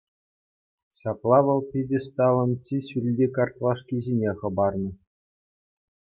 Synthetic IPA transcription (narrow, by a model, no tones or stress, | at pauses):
ɕɑplˠɑʋɤ̆lˠpʲidʲɘst̪ɑlˠɤ̆nt͡ɕiɕylʲdʲikɑrt̪lˠɑʂkʲizʲenʲeχɤ̆bɑrnɤ̆